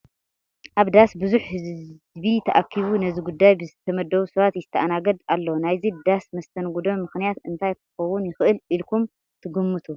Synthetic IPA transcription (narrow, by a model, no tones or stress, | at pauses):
ʔaβd̪asbɨzuħhɨz | bit̪ʰɐʔakʰːiβunɐziɡud̪ːajbɨzɨt̪ʰːɐmɐd̪ːɐwusɐβat̪jɪzɨt̪ʰɐʔanaɡɐd̪alːɐwnajzid̪asmɐst̪ʰɐnɡud̪omːɨxnijat̪ɨnt̪ʰajkʰɨxɐwʊnjɪxɨʔɨlilkʰum | t̪ʰɨɡumːɨt̪ʰu